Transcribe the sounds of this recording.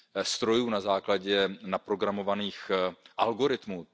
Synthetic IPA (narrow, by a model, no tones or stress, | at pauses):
st̪ɾo̞juːnazaːklaɟɛnapɾo̞ɡɾamo̞vaniːxʔalɡo̞ɾɪt̪muː